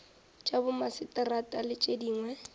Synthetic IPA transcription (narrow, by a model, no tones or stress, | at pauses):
t͡ʃʼabʊmasɪtʼɪratʼalɪt͡ʃʼediːŋwɛ